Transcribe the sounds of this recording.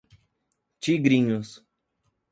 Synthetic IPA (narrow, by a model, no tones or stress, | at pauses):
t͡ʃiɡɾĩɲʊs